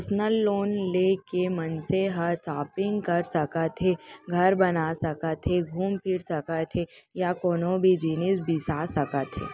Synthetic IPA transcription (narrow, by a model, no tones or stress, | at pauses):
snəlːoːnleːkemɐnseɦɐɾsaːpɪ̃ŋɡkɐɾsɐkət̪ʰeɡʱɐɾbɐnaːsɐkət̪ʰeɡʱuːmpʰɪɾsɐkət̪ʰejakoːnõbʱid͡ʒiːnisbisaːsɐkət̪ʰḛː